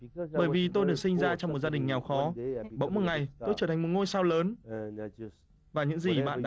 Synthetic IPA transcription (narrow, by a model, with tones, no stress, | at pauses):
ɓəː˧˩jvi˨˩t̪o˧jɗɨ˨˩ək̚sï˧ŋzaː˧t͡ɕɔ˧wŋ͡mm˨˩t̚zaː˧ɗï˨˩ŋ̟ŋɛ˨˩wxɔ˨˦ɓə̰˧˥wŋ͡mmo˨˩ŋa˨˩jt̪o˧jt͡ɕəː˧˩t̪ʰŋ̟mo˨˩t̚ŋo˧jsaː˧wləː˨˦n | vaː˨˩ɲɨ̰˧˥ŋzi˨˩ɓa̰ː˧˨nɗa˧